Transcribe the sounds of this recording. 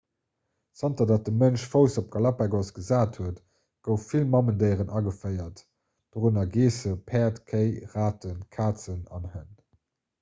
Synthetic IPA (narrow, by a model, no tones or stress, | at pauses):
sɑntɐdaːt̚dəmənʃfəʊsop̚ɡɑlɑpɛɡosɡ̥əzaːthuət | ɡ̥əʊffilmɑməndəɪʁənɑɡəfəɪɐt | d̥oʁunɐɡeːsəpʰɛːɐtkʰəɪʁaːtənkʰaːt͡sənɑ̰nhən